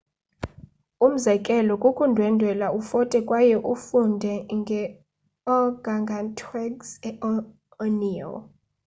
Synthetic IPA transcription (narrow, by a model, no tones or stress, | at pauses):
um̩zɛkʼɛlɔkʼukʼundʱwɛndʱwɛlaufɔtʼɛkʼwajɛʔufundʱɛŋɡʱɛ | ɔɡ̥ʱaŋɡʱantʰʼwɛɡsɛɔ | ɔniɔ̰l